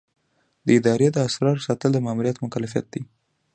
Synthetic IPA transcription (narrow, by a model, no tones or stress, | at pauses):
d̪əɪd̪ɑɾed̪əasɾɑɾsɑt̪əld̪əmamuɾijat̪mʊkalafija̰t̪̚d̪i